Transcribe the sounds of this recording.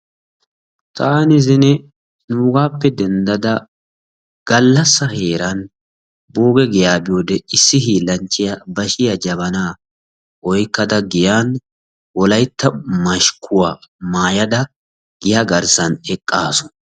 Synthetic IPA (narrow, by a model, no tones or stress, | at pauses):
t̪ʼaːnɪzɪnɛ | nuːɡaːpːɛd̪ɛnd̪ɐd̪ɐ | ɡ̥ɐlːɐsːɐhe̞ːɾɐn | boːɡɛɡɛjaːbɪjoːd̪ɛɪsːɪhiːlːɐnt͡ʃːɪjɐbɐʃɪjɐd͡ʒɐβɐnaː | ʔɔjkːɐd̪ɐɡɪjaːn | wɔlɐjt̪ʰːɐmɐʃkʰʊwaːmaːjɐd̪ɐ | ɡ̥ɪjaɡɐɾsɐnɛkʼːaːsɔ̥